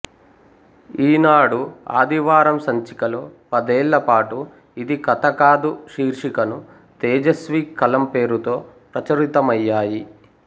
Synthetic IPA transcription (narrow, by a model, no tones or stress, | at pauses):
iːnaːɽua̰ːd̪iʋaːɾɐmsɐɲt͡ʃi̥kɐloːpɐd̪eːɭːɐpaːʈu | id̪ikɐt̪ɐkaːd̪uʃiːɾʂikɐnu | t̪ɛːd͡ʒɐsʋiːkʰːɐlɐmpe̞ːɾut̪o̞ː | pɾɐt͡ʃɐɾit̪ɐmɐjːaːji